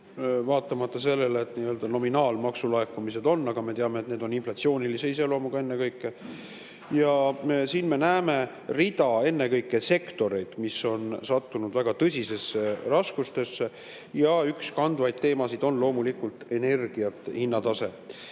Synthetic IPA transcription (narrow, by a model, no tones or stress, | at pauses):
vɑːt̪ːˑɑmɑt̪ˑːɑse̞lːe̞let̪niːøːld̪ɑno̞minɑːlmɑksulɑekːˑumise̞d̪o̞nːɑɡ̥ɑme̞t̪eɑme̞t̪ne̞ːd̪o̞ninflɑt̪sio̞ːnilise̞ise̞lo̞ːmuɡ̥ɑe̞nːekɤjkːˑe | jɑsiːnme̞næːme̞ | rid̪ɑe̞nːe̞kɤjkːˑe̞se̞kt̪o̞ɾe̞jd̪̥misːo̞nsɑt̪ːunud̪̥væɡ̥ɑt̪ɤsʲise̞serɑskust̪e̞sːe | jɑykskɑnd̪vɑjd̪̥̚t̪eːmɑsid̪̥o̞nlo̞ːmulikult̪e̞ne̞rɡ̥iɑt̪ːˑhinːɑt̪ɑse̞